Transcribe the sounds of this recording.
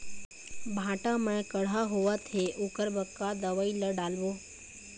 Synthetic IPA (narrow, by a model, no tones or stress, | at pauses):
bʱãːʈãmɛ̃kəɽ̤aɦuʋat̪ʰeʔʊkəɾbəkːad̪əʋailəɖaːlʋoː